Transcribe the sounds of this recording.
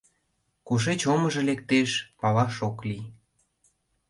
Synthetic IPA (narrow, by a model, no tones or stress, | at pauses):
kuʃ̬et͡ɕomə̆ʒɤ̆lek̚t̪eʃpɑlɑʃokli